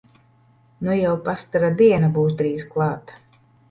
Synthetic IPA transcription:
nujɛwpast̪aɾad̪iɛnabuːsd̪ɾiːsklˠɑːt̪ḁ

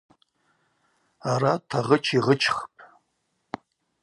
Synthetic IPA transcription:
aɾatʰaʁət͡ʃʰiʁət͡ʃʰχpʼ

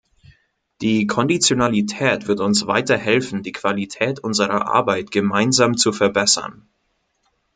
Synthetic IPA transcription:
d̥iːkʰɔndit͡sjonalitʰɛːtv̥ɪɐtʊnsv̥a̰ɪtɐhɛlfn̩diːkv̥alitʰɛːtʔʊnzəʁɐʔa̰ɐbaɪtɡ̥əmaɪnzaːmt͡sufɛɐbɛsɐ̰n

